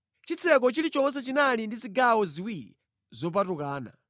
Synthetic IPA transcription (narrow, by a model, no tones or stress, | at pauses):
t͡ʃit͡sʰɛk̬ɔt͡ʃilit͡ʃɔmɔs̬at͡ʃinalindiziɡawɔziwiɾḭ | zɔp̬atukaːna̰